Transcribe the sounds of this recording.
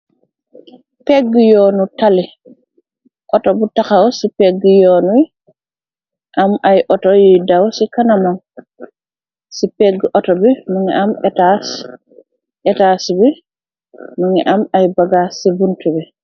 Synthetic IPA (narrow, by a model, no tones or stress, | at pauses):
peɡːijɔːnutali | ʔɔtɔbutaxawsipeɡːijɔːnui | ʔamʔajʔɔtɔjijdawsikanaman | sipeɡːəʔɔtɔbɛmuŋɛ̰ʔamtas | ʔɛtasibɛ | muŋɛʔamajbaɡasibuntubɛ